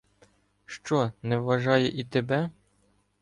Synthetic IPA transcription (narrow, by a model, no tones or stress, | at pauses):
ʃt͡ʃɔnɛʋːɐʒɑjɛʔit̪ebɛ